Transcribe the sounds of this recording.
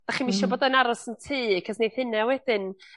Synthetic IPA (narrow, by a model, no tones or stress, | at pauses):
d̥aχimiʃɔboːdanaɾɔsəntʰiːkʰəsnejðhɨnawɛdɪn